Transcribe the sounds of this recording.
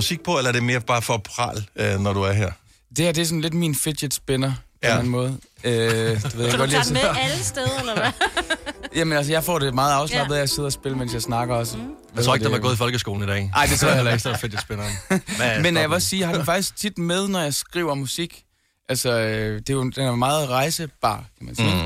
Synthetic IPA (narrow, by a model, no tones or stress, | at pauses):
musiɡ̥̚pʰɒ̽elɐæɐd̥e̝me̝ːɐb̥ɑ̈ːfɒpʰʁɑ̰̈ːlønɒd̥uæɐɦeɐ̰ | d̥e̝hæɐ̰d̥e̝æɐsɔ̽n̩le̝d̥minfed̥jed̥sb̥enɐpʰnæn̩mɔ̽ːð̞̩ˠød̥eʋeð̰ˠaɡɡ̥ɒd̥lesɐsdeðˠɐ | jæmənælsəjɑ̈ɪfɒ̰ːd̥e̝mɑ̈ːð̩ˠɑ̈ʊslɑ̈b̥əð̩ˠjɑɪse̝ð̞̰ˠɐɒsb̥e̝ləmensjɑ̈ɪsnɑ̈ɡ̥ɐɒ̽sə | et͡sʰo̰ːeɡdd̥eɑɡoːðˠifɒ̽lɡ̥əsɡ̥o̝ːln̩idɛ̰ʔɑ̈ɪ̰d̥e̝t͡sʰʁo̰jæleɡsd̥efed̥jsb̥enɐ | menːæjɑʋe̝ɒssiːjhɑ̈d̥nfɑ̈ɡ̥d̥isɡ̥̚t͡sʰid̥með̞ˠnɒjɑ̈ɪsɡ̥ʁḭːʊɐmusiɡ̥ | ʔælsɒød̥e̝jo̝d̥enæɐmɑ̈ːð̩ˠʁɑ̈ɪsəb̥ɑ̰̈ːkʰæmænsḭː